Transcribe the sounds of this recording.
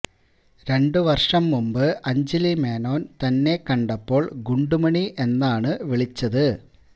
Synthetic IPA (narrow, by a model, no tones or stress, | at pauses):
ɾe̞ɳɖɨʋɐrʂɐmːumbɨʔɐɲd͡ʑilime̞ːno̞ːnt̪ɐnːe̞kːɐɳɖɐpːo̞ːɭɡuɳɖumɐɳiʔe̞nːaːɳɨʋiɭit͡ɕːɐðɨ